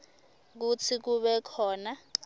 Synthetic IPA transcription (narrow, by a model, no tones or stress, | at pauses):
k̬ut͡sʰik̬uɓɛkʰɔːna